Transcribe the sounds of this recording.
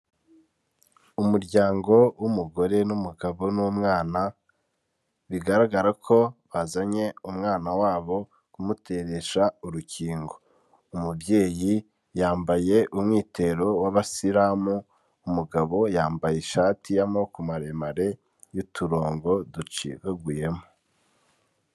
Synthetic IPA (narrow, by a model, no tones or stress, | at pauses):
umuɾɟaːŋɡo̞wumuɡo̞ɾe̞numuɡaβo̞nuːmŋaːna | βiɡaɾaɡaɾakʰo̞βazaɲe̞umŋaːnawaːβo̞ | kumutʰe̞ɾe̞ʃauɾuciːŋɡo̞ | umubje̞ːji | jaːmbaje̞ʔumŋiːte̞ɾo̞waβasiɾaːmuː | muɡaβo̞jaːmbajeʃatijamokumaɾemaɾe̞ | jutʰuɾo̞ːŋɡo̞dut͡ʃḭβeɡuje̞mo